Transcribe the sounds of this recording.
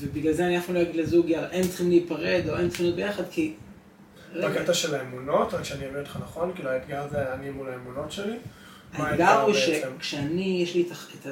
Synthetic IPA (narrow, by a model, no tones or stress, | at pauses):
vebiɡlalzeanianaχnulo̞jaɡidlezuɡalaʔent͡sχimleipaʁed̪o̞ent͡sχimnot̪̚bejaχad̪ki | ʁaket̪aʃelaemuno̞t̪akʃɛaniavintlχanaχo̞nkiːluaitɡaʁzeanimulaemuno̞tʃeli | ameaɡamʁiʃekʃeanijeʃliet̪aet̪a